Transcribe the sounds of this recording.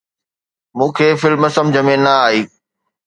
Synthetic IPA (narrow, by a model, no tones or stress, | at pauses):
mũːkʰeːfɪlmɐsəmd͡ʑɐmĩːnnɐaːiː